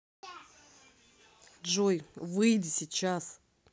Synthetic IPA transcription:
dʐojvɨjdʲɪsʲɪt͡ɕas

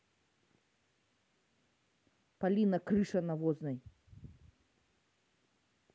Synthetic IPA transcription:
palʲinɐkɾɨʂɐnɐvɔznɐj

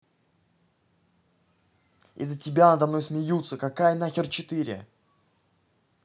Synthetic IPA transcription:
ɪ̰zːətʲɪbʲanəd̪ɐvno̞jsmʲɪjut̪səkakajənaxʲɪrt͡ɕɪt̪ɨɾʲɪ̰

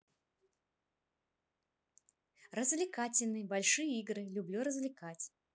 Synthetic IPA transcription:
rəzvlʲɪkatʲɪlʲnɨbalʲʂɨjəiɡɾɨlʲublʲuɾəzvlʲɪkat͡sʲ

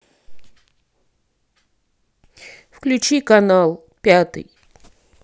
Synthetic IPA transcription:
fklʲʉt͡ɕikɐnalˠ | pʲat̪ɨ̰j

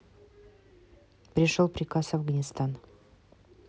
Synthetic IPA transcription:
pɾʲɪʃolˠpɾʲɪkasavɡanʲɪst̪ɑn

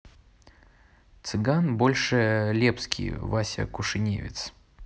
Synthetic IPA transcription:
t̪sɨɡanbo̞lʲʂɨlʲepskʲʰḭjvasʲə̰kʊʂɨnʲḛvʲɪ̰t̪s

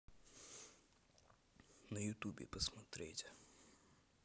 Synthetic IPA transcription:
nɐjʊt̪ubʲɪ̰pɐsmɐt̪ɾʲḛjtʲ

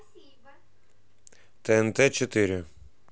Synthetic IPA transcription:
t̪ɛɛnt̪ɛt͡ʃɔt̪ɪɾʲɪ

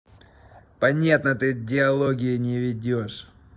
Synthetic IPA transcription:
pɐnʲat̪nət̪ɨdʲɪɐlˠoɡʲɪjɪnʲɪvʲɪdʲoʂ

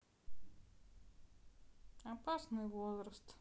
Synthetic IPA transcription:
ɐpasnɨjvozɾəst̪

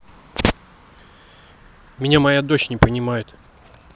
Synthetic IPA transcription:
mʲɪnʲamɐjad̪ot͡ɕnʲɪpənʲɪmajɪt̪

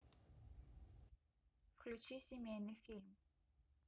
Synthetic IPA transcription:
fklʲut͡ɕisimʲɛnifilm

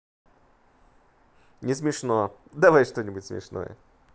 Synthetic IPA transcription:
nʲɪsmʲɪʂnod̪ɐvajʂt̪o̞nʲɪbʊtʲsmʲɪ̰ʂno̰jə̰

